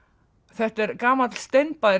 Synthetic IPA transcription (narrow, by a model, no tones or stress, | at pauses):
θɛht̪ɛɾkaːmat̪l̥st̪ejnpaɾ